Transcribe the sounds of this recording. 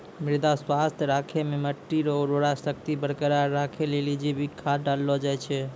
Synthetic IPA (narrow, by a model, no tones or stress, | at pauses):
mɾid̪aswast̪ʰɾakʰememəʈːiɾoɾoɽasək̚t̪ibəɽkəɾaɾakʰelelid͡ʒebʱikʰaɖalːɔd͡ʒajt͡ʃʰɛ